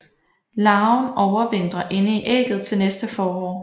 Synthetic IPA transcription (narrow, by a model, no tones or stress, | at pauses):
lɑ̈ːʊnɒʊɐʋen̰d̥ʁɐʔe̝nəiʔɛ̰ːɡ̥ð̞̩ˠt͡sʰe̝lnesd̥əfɒːɒ̰ː